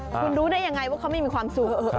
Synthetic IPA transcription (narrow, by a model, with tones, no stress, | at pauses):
kʰu˧nɾuː˦˥daː˥˩jːa˧ŋa˧jwaː˥˩kʰa˦˥wma˥˩jmiː˧kʰwaː˧msu˨˩kːʔː